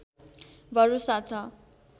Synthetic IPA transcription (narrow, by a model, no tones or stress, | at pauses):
bʱʌɾusat͡sʰʌ